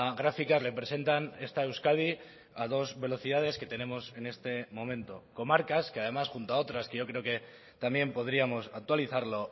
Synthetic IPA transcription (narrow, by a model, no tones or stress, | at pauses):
ɣɾafikazle̞pɾe̞se̞nt̪ane̞st̪ae̞wskað̞i | að̞o̞zβe̞lo̞θiðað̞e̞ske̞t̪e̞nẽ̞mo̞se̞ne̞st̪e̞mõ̞mẽnt̪oko̞maɾkaskeað̞e̞masxunt̪oao̞t̪ɾaske̞ʝo̞kɾe̞oke̞ | t̪ambje̞mpo̞ð̞ɾiamo̞sak̚t̪waliθaɾlo̞